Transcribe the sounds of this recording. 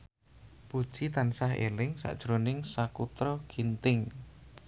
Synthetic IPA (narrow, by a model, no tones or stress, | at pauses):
pud̥ʒ̥it̪ansaɦḛlɪŋsa̰ʔd̥ʒ̥ɾonɪŋsakut̪ɾɔɡ̥int̪ɪŋ